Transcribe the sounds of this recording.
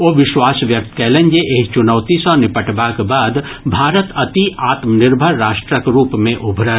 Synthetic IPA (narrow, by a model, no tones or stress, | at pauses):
oːʋɪʃwaːsʋjək̚t̪kɛːlẽnd͡ʒeʔeːkt͡ʃʊnəːt̪isɔ̃nɪpəʈbakbaːd̪ | bʱaːɾət̪ɐt̪iʔaːt̪mənɪɾbʱəɾːaːʃʈɾəkɾuːpmẽʔʊbʱɾə